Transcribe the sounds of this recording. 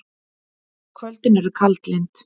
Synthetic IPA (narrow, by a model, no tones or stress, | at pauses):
kʰvœlt̪ɪnɛɾʏɾkʰalt̪lɪjnt̪